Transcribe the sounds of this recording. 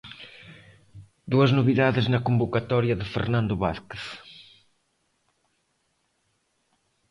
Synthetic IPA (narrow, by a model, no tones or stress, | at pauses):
d̪uɐznoβiðaðɪznɐkombokat̪ɔɾjɐðɪfḛɾnãnd̪ʊβa̰θkeθ